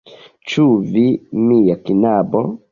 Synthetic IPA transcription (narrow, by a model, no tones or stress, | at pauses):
t͡ʃuvimijakinabɔ